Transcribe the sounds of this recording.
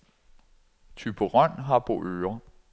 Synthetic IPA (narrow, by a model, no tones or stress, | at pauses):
t͡sʰyb̥əʁɶn̰ɦɑ̈b̥ʰo̝ʔøːɐ